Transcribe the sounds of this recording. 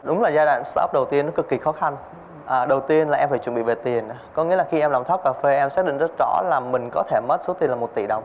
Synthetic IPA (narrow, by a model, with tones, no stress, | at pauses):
ɗʊ˨˦ŋ͡mlaː˨˩zaː˧ɗa̰ː˧˨ŋst̪ɔ̰˦˥k͡p̚ɗə˨˩wt̪i˧ənɔ˨˦kɨ˨˧kːi˨˩xɔ˨˦xa˧ŋ | ʔːɗə˨˩wt̪i˧ənlaː˨˩ʔɛ˧mfaː˧˩t͡ɕwə˧˩nɓ̰ve˨˩t̪i˨˩ən˨˦kɔ˨˦ŋḭ˧˥əlaː˨˩xi˧ʔɛ˧mla˨˩ŋ͡mt̪ʰk͡pkaː˧˩fe˧ʔɛ˧msaː˦˥ɗḭ˧˨ŋzə˦˥t̚zɔ̰˧˩˥laː˨˩mï˨˩ŋ̟kɔ˨˦t̪ʰe˧˩mə˦˥t̚so˨˦t̪i˧ənlaː˨˩mo˨˩t̚t̪ḭ˧˩ɗə̰˨wŋ͡m